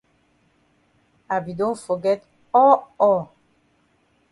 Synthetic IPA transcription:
a˨bi˨dõ˦nfɔ˨ɡɛ˦t | ɔ˦ɔ˦˨

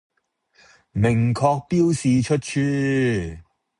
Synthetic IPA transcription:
mɪ˨˩ŋkʰɔː˧k̚piː˥wsiː˨˧t͡ʃʰɵ˥t̚t͡ʃʰyː˥

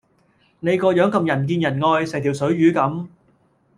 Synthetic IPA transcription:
ne˨˧jkɔː˧jœː˨˥ŋkɐ˧mjɐ˨˩nk̬iː˧njɐ˨˩nŋɔː˧jsɛː˨˩ŋt̪ʰi˨˩wsɵ˨˥ɥɥyː˨˥kɐ˨˥m

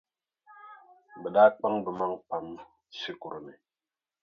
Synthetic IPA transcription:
bə˨ɗa˦k͡pa˦ŋbə˨ma˦ŋpa˨m | si˦ku˨ɾo˨ne˨

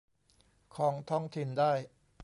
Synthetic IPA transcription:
kʰɔː˩˦ŋt̪ʰɔː˥˩ŋt̪ʰi˧˩ndaː˥˩j

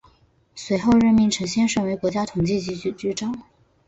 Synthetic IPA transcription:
swe˧˥ɪxo˥˧ʊɻə˥˩nmi˧˥ŋʈ͡ʂʰɤ˧˥ŋɕjɛ˥nʂə˥˩nwe˧˥ɪkwɔ˧˥t͡ɕja˥t̪ʰʊ˨˩ŋt͡ɕi˥˩t͡ɕi˧˥t͡ɕy˧˥t͡ɕy˥ʈ͡ʂɑ˥ʊ

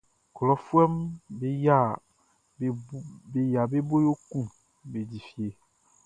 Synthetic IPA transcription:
klɔ˨fu˦ɛ˦mbe˨ja˦˨ | e˨ja˨be˦bo˦jo˦kũ˦ | be˨d͡ʑi˨fi˨e˨

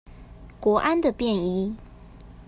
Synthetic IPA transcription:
kwɔ˧˥ʔa˦nd̪ə˨pjɛ˥˩ni˧˥

